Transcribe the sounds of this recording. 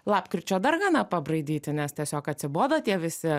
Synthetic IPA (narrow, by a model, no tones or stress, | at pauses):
lˠɑːpkɾʲɪt͡ʃʲoːd̪ɐrɡɑːnɐpɐbrɐɪd̪ʲiːt̪ʲɪnʲɛst̪ʲiɛsʲoːkɐt̪ʲsʲɪboːd̪oːt̪ʲiɛʋʲɪsʲɪ